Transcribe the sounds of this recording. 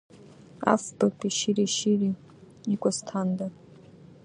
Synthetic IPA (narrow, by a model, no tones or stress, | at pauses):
a̰fbakʼiʃiɾiʃiɾi | ikʷʼastʰandar